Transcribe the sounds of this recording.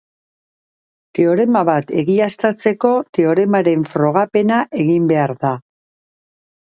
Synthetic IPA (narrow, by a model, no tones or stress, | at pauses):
t̪eo̞ɾe̞maβat̪e̞̰ɣiast̪at͡se̞ko̞t̪e̞o̞ɾe̞maɾe̞ɱfɾo̞ɣ̞ape̞naʔe̞ɣimbe̞aɾða